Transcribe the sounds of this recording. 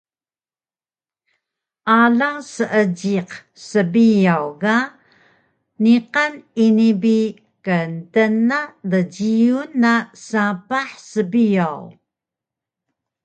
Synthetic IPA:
ʔaɮaŋsəʔəd͡ʑiq | səbijawɣa | niqaninibi | kəntənadəɟiunːasapaħsəbijaw

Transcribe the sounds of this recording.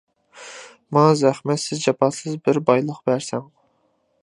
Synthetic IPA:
mɑzæχmɛt̪sɪzd͡ʒɑpɑt̪sɨzbɪɾbɑjlˠəqb̥æɾsɛŋ

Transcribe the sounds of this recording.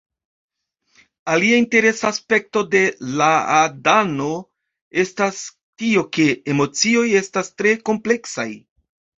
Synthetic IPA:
aliainte̞ɾe̞saːspe̞k̚to̞de̞laadano̞ | e̞stas | tio̞ke̞emo̞t͡sio̞je̞stastɾe̞ko̞mple̞ksa̰j

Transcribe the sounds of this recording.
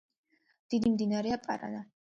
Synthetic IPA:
d̪̥id̪imd̪inaɾɛapʼa̰ɾa̰na

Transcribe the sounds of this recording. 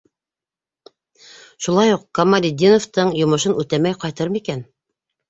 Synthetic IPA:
ʃulˠɑjuqkɐmalʲid̪ʲinoft̪ɤɴjŏmŏʃɤnʉt̪æmæjqɑjt̪ɤɾmikæn

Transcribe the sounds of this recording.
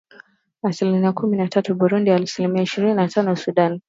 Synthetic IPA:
asilimiakuminatʰatuɓuɾundialsilimiaiʃiɾininatanɔsuɗan

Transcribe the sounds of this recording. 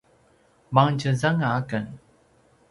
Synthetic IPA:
maŋd͡ʑəzaŋaakən

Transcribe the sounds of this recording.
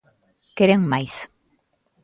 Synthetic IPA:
keɾeŋmajs

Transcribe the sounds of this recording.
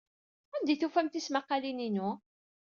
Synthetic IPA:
ænd̪iθufæmt̪ismaqːɑlininu

